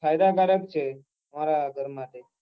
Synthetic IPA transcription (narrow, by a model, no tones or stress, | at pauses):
fajd̪akaɾək̚t͡ʃʰe | əmaɾaɡʱəɾmat̪e